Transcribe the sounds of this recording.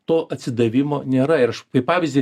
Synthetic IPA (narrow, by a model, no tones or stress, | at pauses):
t̪oːʔɐtʲsʲɪd̪ɐʋʲɪmoːnʲeːɾɐɪɾɐʃpɐɪpɑːʋʲɪzd̪ʲɪ